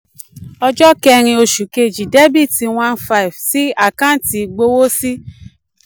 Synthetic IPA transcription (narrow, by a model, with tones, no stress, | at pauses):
ɔ˧d͡ʒɔ˦kɛ˧ɾ̃ĩ˧o˧ʃu˨ke˧˨d͡ʒi˨dɛ˦bi˦˨ti˧w̃ã˦nfa˧˨i˨vsi˦a˦˨kã˦n̩˦ti˨˧ɡ͡bo˧˦wo˦si˦